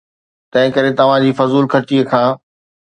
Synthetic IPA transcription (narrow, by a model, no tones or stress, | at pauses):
t̪ɐ̃ɦɪ̃kɐɾet̪ɐʋ̤ãd͡ʑiːfɐzuːlkʰɐɾt͡ɕiːəkʰãː